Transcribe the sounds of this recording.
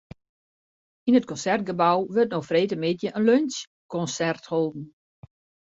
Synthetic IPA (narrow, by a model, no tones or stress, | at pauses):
inət̚kɔnsɛrt̚ɡəbawʋøtnoxfreːtəmɪtjəʔənløns | kɔnsɛrtholˠdn̩